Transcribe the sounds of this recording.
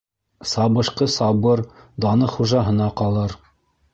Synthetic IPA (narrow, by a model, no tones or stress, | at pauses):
sɑβɤ̆ʃqɤsɑbɤɾd̪ɑnɤχuʒɑɦɤ̆nɑqɑlˠɤɾ